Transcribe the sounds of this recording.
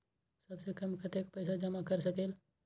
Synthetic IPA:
sɐbsekɐmkɐt̪eːkpəɪsad͡ʒɐmakɐɾs̬əkeːl

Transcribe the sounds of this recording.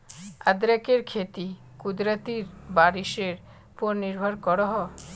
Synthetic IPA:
ad̪ɾakeɾkʰet̪i | kud̪ɾat̪iɾbaɾiʃeɾ | poɾniɾbʱaɾkɔɾaɦɔ

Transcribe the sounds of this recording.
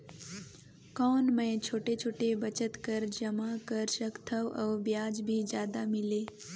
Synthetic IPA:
kɔːnmẽjt͡ʃʰoːʈet͡ʃʰoːʈebət͡ʃət̪kəɾd͡ʒɐmakəɾʃəkt̪ʰəʋɐ̰wbjaːd͡ʒbʱiːd͡ʒjaːd̪amɪleː

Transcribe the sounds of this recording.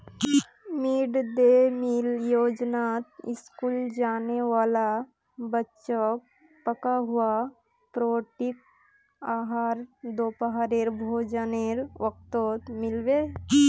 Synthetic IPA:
miɖd̪emiljoːd͡ʒnaːt̪ɪskuld͡ʒaːneʋaːla | bətːʃo | pəkaɦʊa | pɾoːʈɪk̚ | aːɦaɾd̪oːpəɦaɾeɾbʱoːd͡ʒəneɾʋək̚t̪ot̪mɪlʋe

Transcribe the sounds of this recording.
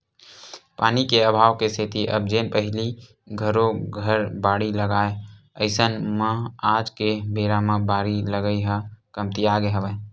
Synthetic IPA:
paːnikeəbʱaːʋkeset̪iʔɐ̰b̚d͡ʒeːnpəɦɪli | ɡʱəɾõɡʱəɾbaːɽiləɡaːe | əɪsənmə̃aːd͡ʒkebeːɾaːmãbaːɾiləɡəiɦəkəmt̪iaːɡeɦɐʋə̃

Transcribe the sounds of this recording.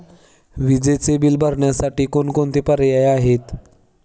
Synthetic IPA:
ʋid͡zet͡sebiːlbʱəɾɳjasaʈiːkoɳkont̪epəɾjajaɦet̪

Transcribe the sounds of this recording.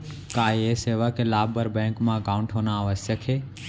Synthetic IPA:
kaːeseːʋakelaːbbəɾbɛ̃ːŋkmãəkaʊ̃ɳʈɦoːnaaʋəsjəkʰɦeː

